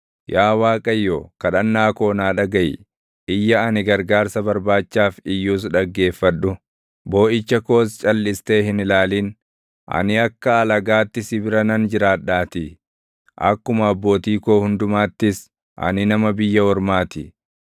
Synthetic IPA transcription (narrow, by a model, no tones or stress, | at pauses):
jaːwaːkʼɐjːoːkɐᶑɐnːaːko̞ːnaːᶑɐɡɐj | ʔɪjːɐɐnɪɡɐɾɡaːɾsɐbɐɾbaːt͡ʃːaːfɪjːuːs̬ᶑɐɡːe̞ːfːɐᶑʊ | bo̞ːʔɪt͡ʃːɐko̞ːst͡ʃʼɐlːɪst̪e̞ːɦɪnɪlaːliːn | ʔɐ̰nɪɐkːɐːlɐɡaːt̪ːɪsɪbɪɾɐnɐnd͡ʒɪɾaːᶑːaːt̪ɪ | ʔɐ̰kːʊmɐɐbːo̞ːt̪iːkoːhʊnd̪ʊmaːt̪ːɪs | ʔɐ̰nɪnɐmɐbɪjːɐwɔɾmaːt̪ɪ